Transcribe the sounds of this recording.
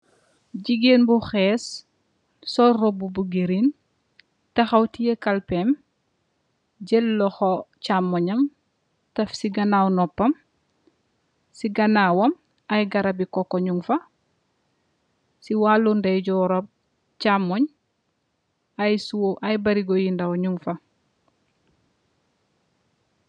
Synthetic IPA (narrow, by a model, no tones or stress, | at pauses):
ɟiɡeːnbuxɛːs | sɔrɔbubuɡeɾin | tɐxɐwtijekɐlpɛm | ɟɛlːɔxɔcamːɔɲɐm | tɐfsiɡɐnaːwnɔpːɐm | siɡɐnaːwɐm | ɐjɡɐɾɐbikɔkːoɲuŋfɐ | siwaːlːundɐjɟɔɾob̚ | camɔɲ | ajsuwoʔɐjbɐɾiɡojindɐwɲuŋfɐ